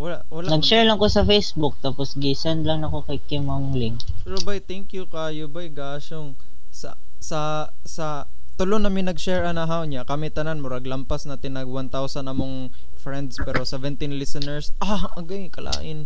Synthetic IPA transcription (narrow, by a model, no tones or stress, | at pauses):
wɐlaʔwɐlanɐɡʃɛɹlɐŋkosɐfejsbʊk̚t̪aːposɡisɛnd̪lɐŋnɐkokɐjkɪma | lɪŋkɾobajt̪ɛŋkjukajʊbajɡaːʃoŋ | sɐ̰ | sɐ | sɐ | t̪ʊlonɐmɪnɐɡʃɛɹɐnɐɦawɲakɐmɛt̪ɐnanmoɾɐɡlɐmpasnɐt̪ɪnɐɡwant̪awsɐnɐmoŋ | fɾɛnd̪spɛɾo̞sɛvɛnt̪inlɪsɛnɛɹsʔaʔɐɡajkɐlʔa̰ːʔɪn